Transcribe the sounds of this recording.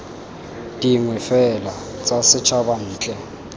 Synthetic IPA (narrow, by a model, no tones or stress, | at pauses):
d̥iŋwɛfɛlat͡sʼasɪt͡ʃʰaban̩ːt͡ɬʼɛ